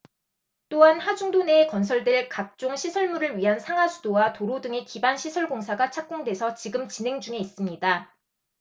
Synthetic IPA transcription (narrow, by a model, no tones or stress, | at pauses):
t͈oɦanhad͡ʑuŋdone̞ːkʌns̬ʰʌɭdeɭkak̚t͡ɕ͈oŋɕʰisʰʌɭmuɾɯɭɥiɦansʰaŋasʰu̥dowatoɾodɯŋe̞kibanɕʰisʰʌɭɡoŋsʰaɡat͡ɕʰak̚k͈oŋdwe̞sʰʌt͡ɕiɡɯmt͡ɕinɦe̞ŋd͡ʑuŋe̞is͈ɯmɲida